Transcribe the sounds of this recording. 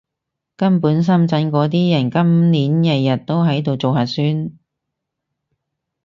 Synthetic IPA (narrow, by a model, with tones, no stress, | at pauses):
kɐ˥mpuː˨˥ns̬ɐ˥mt͡sɐ˨˥nkɔː˨˥t̪̬iː˥jɐ˨˩nkɐ˥mniː˨˥njɐ˨jɐ˨t̚t̪o˥wɦɐ˨˥jt̪o˨˧wt͡so˨wɦaː˨tsyː˥n